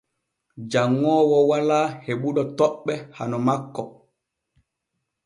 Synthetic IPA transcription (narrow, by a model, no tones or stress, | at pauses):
d͡ʒaŋːɔːwɔwalaːheɓuɗɔtɔɓːɛha̰nɔmakːɔ